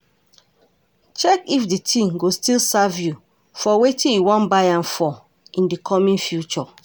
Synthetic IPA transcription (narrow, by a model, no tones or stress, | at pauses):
t͡ʃɛkifditʰĩŋɡostilsavju | fɔwetĩnjiwɔ̃nbaãnfɔ | ĩndikʰɔmĩnfjut͡ʃɔ